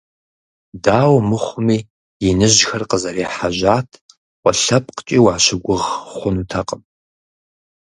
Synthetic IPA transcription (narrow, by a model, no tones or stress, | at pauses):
daːwmɨχʷʊmiː | jɪnɨʒxɐrqəzɐɾeːħaʑaːtʰ | qʷʼɔɬɐpʼqə̥t͡ʃʼiːwaːɕɪɡʷʊʁχʷʊnutʰɐqʼəm